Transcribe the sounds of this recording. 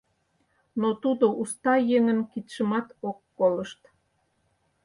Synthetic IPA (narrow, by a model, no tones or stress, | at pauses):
not̪ud̪oʔust̪ɑjeŋənkit̪ʃə̆mɑt̪okːoləʃt̪